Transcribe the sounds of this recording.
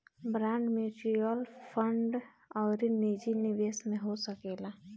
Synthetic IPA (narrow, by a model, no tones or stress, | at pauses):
bɾãːɳɖmeːʈɾiəlpʰəɳɖ | ɔːɾiniːd͡ʒiniʋeːsmẽɦosəkeːlaː